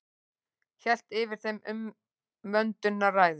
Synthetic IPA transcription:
çɛl̥t̪ɪvɪɾ̥θejmʏmː | œnt̪ʏnːaraːjðʏ

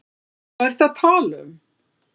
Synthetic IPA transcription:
aɛɾ̥θaðt̪ʰaːlʏm

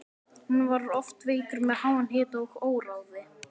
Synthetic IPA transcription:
hunːvaɾɔft̪vɪikʏɾmɛðhaːwanɦɪːt̪owxoːwɾawðɪ

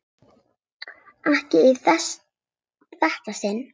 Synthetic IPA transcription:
ahcɪiθɛs | θɛht̪asɪnː

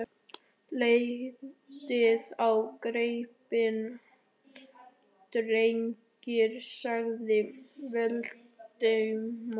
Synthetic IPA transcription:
leɣɣtɪðawkɾejpɪn | t̪ɾejɲcɪɾsaɣðɪvɛl | t̪eɥm

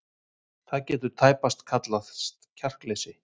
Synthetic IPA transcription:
θaðcɛːt̪ʏɾ̥t̪ʰaːjpast̪kʰat̪laðst̪cʰar̥klesɪ

